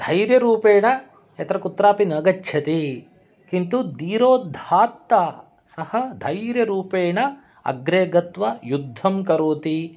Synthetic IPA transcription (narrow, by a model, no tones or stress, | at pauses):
d̪ʱɐjɾjɐɾuːpeːɳɐ | ɛt̪ɐɾɐkut̪ːɾaːpinɐɡɐt͡ʃːʃʰjɐt̪i | kint̪ud̪iːɾoːd̪ʱaːt̪ːɐ | sɐhɐd̪ʱɐjɾjɐɾuːpeːɳɐ | ɐ̰ɡɾeːɡɐt̪ʋɐjud̪ʱːɐmkɐɾoːt̪i